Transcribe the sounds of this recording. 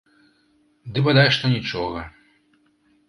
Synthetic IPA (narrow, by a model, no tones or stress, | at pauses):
d̪ɨbad̪ajʂt̪ɔnʲit͡ʂɔɣɐ